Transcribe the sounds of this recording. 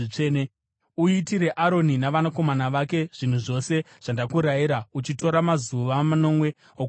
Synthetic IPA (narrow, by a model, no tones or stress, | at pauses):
t͡ʂene | uitiɾe̞ʔaɾo̞ninaʋanako̞manaʋake̞ʐ̥in̤uʐo̞se̞ | ʐ̥andakuɾaiɾaut͡ʃito̞ɾamazuʋamano̞mwe̞ | o